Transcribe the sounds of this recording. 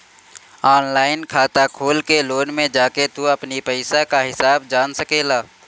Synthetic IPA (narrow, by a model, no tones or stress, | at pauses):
aːnlaːɪnkʰaːt̪akʰoːlkeloːnmẽd͡ʒaːket̪uɐpnipɛɪsakaɦɪsaːbd͡ʒaːnsɐkeːlaː